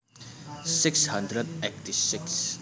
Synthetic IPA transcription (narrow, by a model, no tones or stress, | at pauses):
sɪkshə̃nd̪ɾəd̪ekʈisɪks